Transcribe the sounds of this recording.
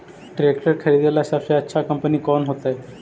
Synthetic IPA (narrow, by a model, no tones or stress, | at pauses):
ʈɾekʈəɾkʰəɾid̪elaəsafɕeətːɕʰakəmpəniːkɔnɦot̪aj